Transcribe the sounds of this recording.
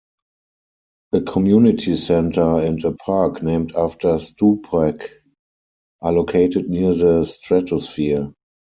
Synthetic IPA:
ʔəkʰɔmjunɪtʰisɛ̃ntʰə˞æ̃ntəpʰaːknẽɪ̃mtaftə˞stupʰɹɛk | ʔalokʰeɪtətniəðəstɹɛtɔsfi

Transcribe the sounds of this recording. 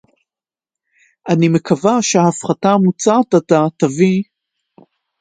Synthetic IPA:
ʔanime̞kʰavaʃeafχatamut͡satatat̪avi

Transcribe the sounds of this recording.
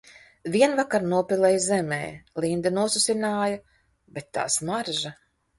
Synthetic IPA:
vʲiɛnvakaɾnuɔpʲilˠɛjzɛmḛːlind̪ɐnuɔsusʲinaːjɐ | bet̪ːa̰ːsmaɾʒa

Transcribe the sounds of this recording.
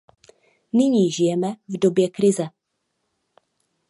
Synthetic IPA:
nɪɲiːʒɪjɛmɛvdo̞bjɛkɾɪzɛ

